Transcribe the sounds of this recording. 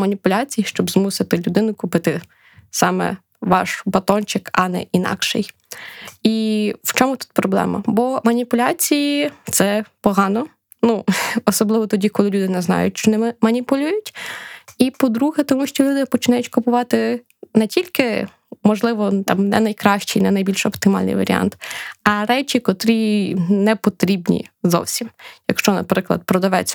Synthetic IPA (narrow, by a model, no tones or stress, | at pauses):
mɐnʲipʊlʲat͡sʲijiʃt͡ʃɔbzmusɪt̪ɪlʲʊd̪ɪnʊkʊpɪt̪ɪ | sɑmɛ̰ | ʋɑ̰ʃbɐt̪ɔnt͡ʃɪkɐnɛ̰ʔinɑ̰kʃɛ̰j | iwt͡ʃɔmʊt̪u̥t̪̚pɾɔblˠɛ̰mɐ̰bɔmɐnʲipʊlʲɑt͡sʲijit̪sɛpɔɦɑnɔ | nuɔsɔblˠɪʋɔt̪ɔdʲikɔlˠɪlʲud̪ɪnɛznɑ̰jʊ̰tʲʃt͡ʃɔnɛmɐnʲipʊlʲujʊtʲ | ipɔd̪ɾuɦɛt̪ɔmuʃt͡ʃɔlʲud̪ɪpɔt͡ʃɪnɑjʊtʲkʊpʊʋɑt̪ɪ | nɛtʲilʲkɪ | mɔʒlˠɪʋɔt̪ɑmnɛnɐjkɾɑʃt͡ʃinɛnɐjbʲilʲʃɔpt̪ɪmɑ̰lʲnɪ̰jʋɐ̰ɾʲḭɑ̰nt̪ɐɾɛt͡ʃʲikɔt̪ɾinɛpɔt̪ɾʲibnʲḭzɔ̰wsʲimjɐkʃt͡ʃɔnɐ̰pɾɪklˠɐ̰d̪̚pɾɔd̪ɐʋɛt͡sʲɐ